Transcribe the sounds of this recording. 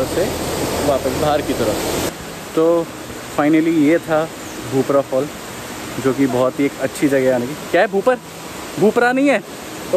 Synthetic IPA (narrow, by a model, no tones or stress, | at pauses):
ɾəseʋaːpəsbʱaːɾkit̪ɐɾəfse | t̪oː | faːɪnəlijet̪ʰa | bʱuːpɾafʰɔːl | d͡ʒoːkibɔːt̪ɦieːkɐtːʃʰid͡ʒɐɡeaːnekikjaːɦɛbʱuːpəɾ | bʱuːpɾanɐɦĩɦɛː | t̪oː